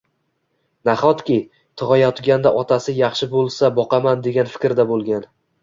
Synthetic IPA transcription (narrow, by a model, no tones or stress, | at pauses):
naχɒt̪kʲɪ | t̪ʰɨʁɒjɒt̪ɡʲand̪aʔɒt̪ʰasɪjɑχʃɪbolˠsabɒqɑmand̪e̞ɡʲanfɪ̥kʲɾd̪abolˠɡʲan